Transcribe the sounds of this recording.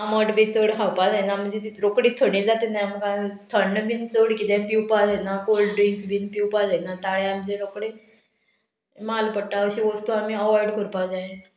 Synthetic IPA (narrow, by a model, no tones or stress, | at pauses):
aməʈbit͡səɽɦawpad͡zaɦjnam̤əd͡zet̪it̪ɾokɽiːt̪ʰəɳ̃id͡zat̪enajməkãt̪ʰəɳːəʋint͡səɽkit̪ɛ̃piwpad͡zaenakolɖɖɾinsʋinpiwpad͡zajnat̪aɭeam̤əd͡zeɾokɽe | malpəʈaːwɕiʋəst̪uamiəʋɔjɽkəɾpad͡zaɦe